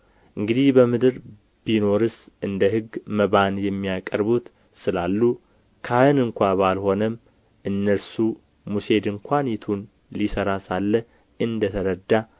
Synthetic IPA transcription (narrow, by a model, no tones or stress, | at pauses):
ʔɨŋɡɨd̪ihbəmɨd̪ɨɾ | b̥ino̞ɾɨsʔɨnd̪əɦɨɡməβanjɛmːijakʼəɾbut̪ | sɨlalːu | kʰahɨnɨŋkʷaβalho̞nəm | ʔɨnːəlsu | muse̞d̪ɨŋkʰʷanjɛt̪ʰun | lisəɾasalːə | ɨnd̪ət̪ʰəɾəd̪ːa